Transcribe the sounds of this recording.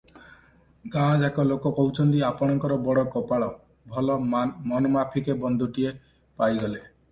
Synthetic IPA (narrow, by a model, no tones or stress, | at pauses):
ɡãd͡ʒɛkɔlokɔkɔwt͡ʃʰɔnt̪iapɔɽ̃ɔŋkɔɾɔbɔɽɔkɔpaɭɔ | bʱɔlɔmɔnɔmapʰikebɔnd̪ʱuʈie | pajɡɔle